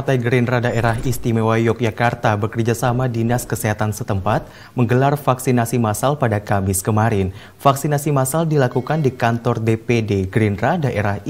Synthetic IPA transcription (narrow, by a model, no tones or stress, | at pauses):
part̪ajɡɾinɾadaʔeɾaɦist̪imewajɔk̚d͡ʒakart̪abəkərd͡ʒasamadinaskəsɛɦat̪ansət̪əmpat̪̚ | məŋɡəlarfaksinasimasalpadakamɪskəmaɾɪn | faksinasimasaldilakukandikant̪ɔrdepedeɡɾinradaʔeɾah